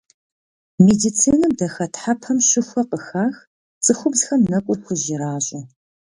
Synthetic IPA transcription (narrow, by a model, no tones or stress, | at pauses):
medit͡sʰiːnɐmdɐxɐtħapʰɐmɕɪxʷɔqəxaːx | t͡sʼɨxʷʊbzxɐmnɐkʷʼʊkʷʰʊʒɪɾaːɕʼɪ